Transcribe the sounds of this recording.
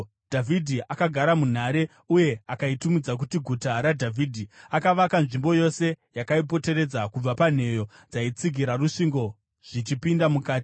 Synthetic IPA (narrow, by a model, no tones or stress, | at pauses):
d̥ʱavʱidʱiʔakaɡʱaɾamun̤aɾe̞ | uje̞akaitumid͡zak̬utiɡʱutaɾadʱavʱidʱiakaʋakanʐimbo̞jo̞se̞jakaip̬o̞te̞ɾe̞d͡zakub͡vapan̤e̞jo̞ | d͡zait͡siɡʱiɾaruʂiŋɡo̞ | ʐ̥it͡ʃipindamukaːti̥